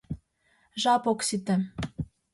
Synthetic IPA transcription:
ʒɑpoksit̪ɘ̆

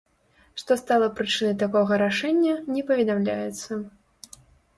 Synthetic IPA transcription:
ʂt̪ɔst̪alˠɐpɾɨt͡ʂɨnɐjt̪akɔɣɐɾaʂɛnʲːɐnʲɛpɐvʲɛd̪amlʲajɛt̪sːɐ

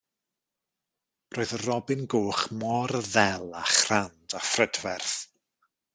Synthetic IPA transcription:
roːɨðərɔbɨnɡoːχmɔrðɛlˠaχrandafrədvɛrθ

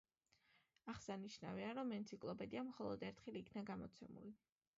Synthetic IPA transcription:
aχsaniʃnaviaɾɔmɛnt̪sʰikʼlˠɔpʼɛd̪iamχɔlˠɔd̪ɛɾt̪ʰχɛliːkʰnaɡamɔt̪sʰɛmṵli

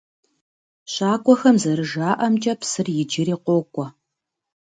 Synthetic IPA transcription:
ɕaːkʷʼɔxɐmzɐɾɨʒaːʔɐmt͡ʃʼɐpsɨrjɪd͡ʒɪɾiːqʷoːkʷʼɔ

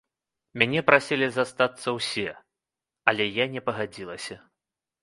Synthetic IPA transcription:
mʲanʲɛpɾasʲilʲizast̪at̪sːɐwsʲɛ | ɐlʲɛjanʲɛpɐɣad͡zʲilˠɐsʲɐ

